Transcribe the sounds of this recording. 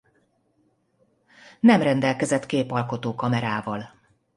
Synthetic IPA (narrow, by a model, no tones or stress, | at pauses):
nɛmrɛnd̪ɛlkɛzɛt̪keːpɒlko̞t̪oːkɒmɛɾaːvɒl